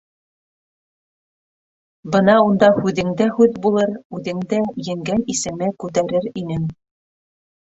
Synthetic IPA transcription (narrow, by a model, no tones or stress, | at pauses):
bɤnɑund̪ɑhʉðɘ̆ŋd̪æhʉðbulˠɤɾʉðɘ̆ŋd̪æjɘ̆ŋɡænisɘ̆mɘkʉt̪̬æɾɘɾinɘŋ